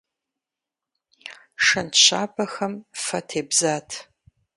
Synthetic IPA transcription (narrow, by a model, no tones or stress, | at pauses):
ʂɐnɕa̰ːbʰɐxɐmfɐtʰeːbzaːtʰ